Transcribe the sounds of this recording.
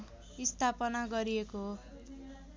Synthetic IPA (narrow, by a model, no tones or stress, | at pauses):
ist̪ʰapʌnaɡʌɾijekoɦ